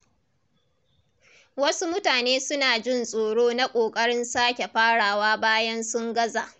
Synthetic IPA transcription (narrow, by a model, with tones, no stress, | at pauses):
wɐ˦su˦mʊ˦taː˨neː˦sʊ˦naː˨d͡ʒɪ˦˨nsʼoː˨ɽoː˦na˦kʷʼoː˨kʼɐ˦ɽɪ˦nsaː˦kʲe˨ɸaː˦ɽaː˨waː˦baː˦jɐ˦nsʊ˦ŋɡɐ˦zaː˨ʔ